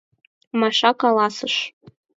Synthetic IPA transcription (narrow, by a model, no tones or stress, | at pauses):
mɑʃɑkɑlˠɑsɤʃ